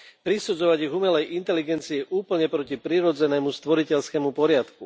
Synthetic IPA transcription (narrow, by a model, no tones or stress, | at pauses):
pɾisud͡zɔʋaɟiɣumɛlɛjʔint̪ɛliɡɛnt͡siɛʔuːpl̩ɲɛpɾɔcipɾiːɾɔd͡zɛnɛːmust̪ʋɔɾicɛʎskɛːmupɔɾɪat̪ku